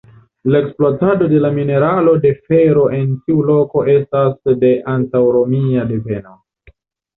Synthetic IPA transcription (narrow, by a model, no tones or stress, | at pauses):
lae̞ksploatado̞de̞lamine̞ɾalo̞de̞fe̞ɾo̞ʔe̞ntiulo̞ko̞ʔe̞stasde̞ʔantawɾo̞miade̞ve̞no